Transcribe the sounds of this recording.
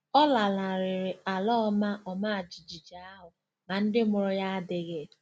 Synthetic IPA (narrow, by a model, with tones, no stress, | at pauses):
ɔ˦la˨la˨ɾɪ˨ɾɪ˨a˨lɔ˦ma˦ʔɔ˨ma˦a˨d͡ʒi˨d͡ʒi˨d͡ʒa˨a˦ɦʊ˨ | ma˨n̩˦dɪ˦mʊ˨ɾʊ˦ja˦a˦dɪ˨ɣɪ˦˨